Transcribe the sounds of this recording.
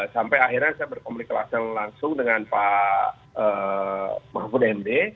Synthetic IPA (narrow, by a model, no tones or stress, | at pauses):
sampajaɦirɲasajabərkomlikəla̰səŋlaŋsʊŋdəŋanpa | ə | mafudaɛmde